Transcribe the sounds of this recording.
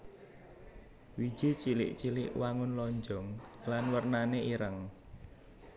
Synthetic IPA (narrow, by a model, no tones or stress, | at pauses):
wi̥d͡ʒ̥it͡ʃilɪ̰ʔt͡ʃilɪ̰ʔwaŋʊnlɔɲd͡ʒɔŋlanwərnaneiɾəŋ